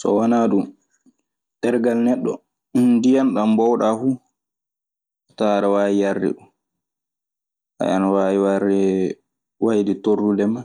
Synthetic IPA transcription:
sɔ̰wanaɗum | tɛɾɡalnɛɗːɔ̰ | indijanɗambɔwɗafu | ɔtaɾawaːjijaɾdɛ̰ɗum | ʔa̰ʔanwajiwaɾɛ | wajditorːudɛma

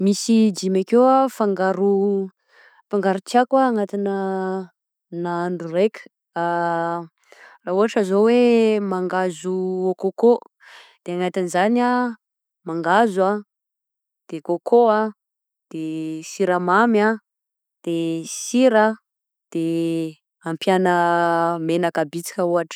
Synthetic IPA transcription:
misid͡ʒimakewafaŋɡaɾu | faŋɡaɾut͡siakwaːŋat̪inə | naaɳɖ͡ʐurekʲə̥ | a | rauɦaʈ͡ʂəzowemaŋɡazuokoko | d̪̥eaŋat̪inizana | maŋɡazwa | d̪̥ekokʰoa | d̪̥esiɾamama | d̪̥esiɾa | d̪̥e | ampjanəmenakabit͡si̥kʲəuɦaʈ͡ʂ

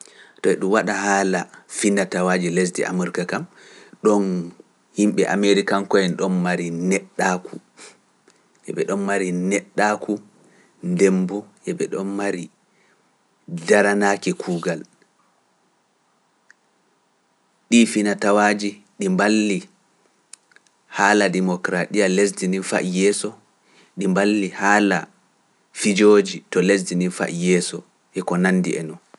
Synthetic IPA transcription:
tɔɛɗumwaɗahaːlafinatawad͡ʒiles̬dḭʔa̰muɾkakam | ɗɔn | himɓɛʔa̰meɾikankɔjɛnɗɔnmaɾinɛɗːakʰu | ʔɛ̰ɓɛɗɔnmaɾinɛɗːakʰu | ndembuʔɛɓɛɗɔnmaɾi | daɾanakikʰuːɡal | ɗifinatawaːd͡ʒi | ɗimbalːi | haːladɛmɔkɾaɗijalesdinifa̰jɛsɔ | ɗimbalːihaːla̰ | fid͡ʒoːd͡ʒitɔles̬dinifa̰jɛːsɔ | ʔɛkɔnanːdḭʔɛ̰nɔn

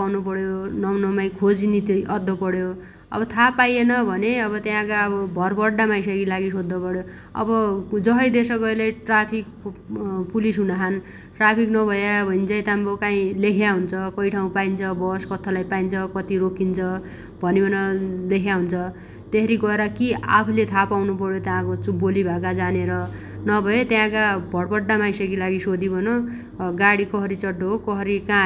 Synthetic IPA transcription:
pawnupʌɽjonʌwnʌmaj̃kʰod͡zinit̪ʔʌd̪ːʌpʌɽjo | ʌ̰bʌt̪ʰapajenʌbʱʌneʌβʌt̪jãkaʌbʌbʱʌrbʌɽamajsʌɡilaɡisod̪ːʌpʌɽjo | ʌ̰bʌd͡zʌɦʌjd̪esʌɡʌileʈrapʰik̚ | pulisɦunaɦan | ʈrapʰiknʌbʱʌjabʱʌint͡sʌjt̪ambokãĩlekʰjaɦunt͡sʰʌkʌjʈʰaũpaint͡sʰʌbʌskʌt̪ʰːolajpaint͡sʰʌkʌt̪iɾokʰint͡sʰʌ | bʱʌnebʌnʌlekʰjaɦunt͡sʰʌ | t̪eɦʌɾiɡʌeɾʌkia̰pʰulet̪ʰapawnupʌɽjot̪jãkot͡subolibʱakad͡zaneɾʌ | nʌbʱʌet̪jãkabʱʌɽpʌɖːamajsʌkilaɡisod̪ibʱʌno | ɡaɽikʌɦʌɾit͡sʌɖːoɦokʌɦʌɾikã

